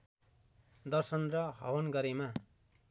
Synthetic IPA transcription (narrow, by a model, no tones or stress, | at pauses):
d̪ʌrsʌnrʌɦʌ̰wʌnɡʌɾema